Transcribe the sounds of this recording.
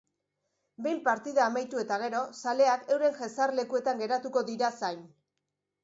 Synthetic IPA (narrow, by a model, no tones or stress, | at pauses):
be̞jmpaɾt̪iðaːmajt̪ue̞t̪aɣ̞e̞ɾo̞sale̞ake̞wɾe̞ŋʝesarle̞kue̞t̪aŋɡe̞ɾat̪uko̞ðiɾasajn